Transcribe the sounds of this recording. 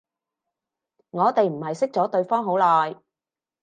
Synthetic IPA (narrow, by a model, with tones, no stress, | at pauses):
ŋɔː˨˧t̪e˨jm̩˨˩hɐ˨jsɪ˥k̚t͡sɔː˨˥t̪ɵ˧ɥfɔː˥ŋɦo˨˥wlɔː˨˩j